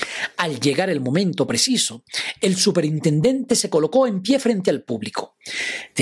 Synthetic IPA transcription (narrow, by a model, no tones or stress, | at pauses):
alʝe̞ɣaɾe̞lmo̞mẽnt̪opɾesisoelsupe̞ɾint̪e̞nd̪e̞nt̪e̞se̞ko̞lo̞ko̞empje̞fɾe̞nt̪̬ealpuβliko | d̪̥